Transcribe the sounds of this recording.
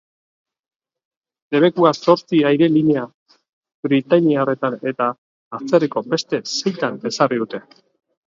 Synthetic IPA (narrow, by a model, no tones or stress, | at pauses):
le̞βe̞kuaso̞ɾt͡siajɾe̞liɲe̞a | bɾit̪aɲiare̞t̪ane̞t̪aː | t͡seriko̞be̞st̪e̞se̞jt̪ane̞sariðut̪e̞